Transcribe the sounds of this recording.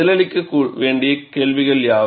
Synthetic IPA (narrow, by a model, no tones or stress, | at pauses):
ɪlɐlɪkʲːɯkːuːɭʋeːɳɖijɐkeːlʋiɣɐɭjaː